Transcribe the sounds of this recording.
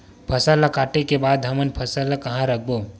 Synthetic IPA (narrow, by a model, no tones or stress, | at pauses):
pʰəsalakaːʈekebaːd̪ɦɐmənpʰəsalakɐɦãɾək̚ʰboː